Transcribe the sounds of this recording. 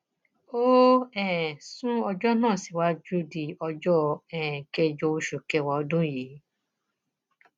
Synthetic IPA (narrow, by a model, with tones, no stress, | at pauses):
o˦ɛ˦˨sũ˦ɔ˧d͡ʒɔ˦nãː˦˨si˨˦wa˦d͡ʒu˦di˨ɔ˧d͡ʒɔ˦ɛ̃˨kɛ˧d͡ʒɔ˧o˧ʃu˨kɛ˧wɔ˧ɔ˧dũ˦ji˨˦